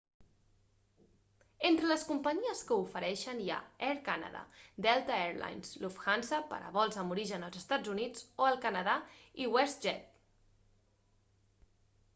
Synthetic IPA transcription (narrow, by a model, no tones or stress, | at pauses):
ent̪ɾələskumpəɲiəskəufəɾɛʃənja̰ɛɾkanə̰ða̰d̪ɛlˠt̪əeɾla̰jnslufxansəpə̰ɾə̰βɔlˠzəmuɾiʒənəlˠzəst̪ad͡zunid͡zoəlˠkənəðaiwɛst̪ʒɛt̪̚